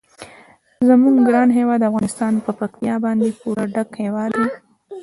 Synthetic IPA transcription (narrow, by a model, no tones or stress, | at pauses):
zamuŋɡɡɾɑnɦewɑd̪ːafɣɑnɪst̪ɑnpəpaxt̪ijɑbɑnd̪epuɾaɖakhewɑd̪e